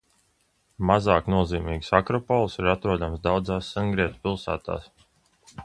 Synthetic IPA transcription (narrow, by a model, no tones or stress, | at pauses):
mazaːknuɔziːmiːɡsakɾɔpɔlˠsiɾat̪ɾuɔd̪amsd̪awd̪zaːsːaŋɡɾiɛt̪u̥pilˠsa̰ːt̪a̰ːs